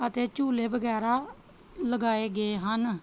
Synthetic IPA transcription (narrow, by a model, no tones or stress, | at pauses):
ət̪eːt͡ʃuːleːbəɡɛːɾaː | ləɡaːeːɡeeːɦən